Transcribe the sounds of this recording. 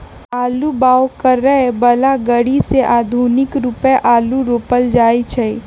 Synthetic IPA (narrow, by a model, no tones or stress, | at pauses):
aːlubaːwkɐɾːəɦebəlaɡəɽiseʔaːd̪ʱuːnɪkɾupʔaːluɾoːpəld͡ʒaːit͡ʃʰɛi